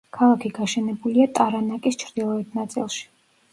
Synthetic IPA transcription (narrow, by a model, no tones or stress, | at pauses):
kʰalˠakʰiɡaʃɛnɛbuliat̪ʼaɾanakʼist͡ʃʰɾd̪ilˠɔɛt̪̚ʰnat̪sʼḭlˠʃi̥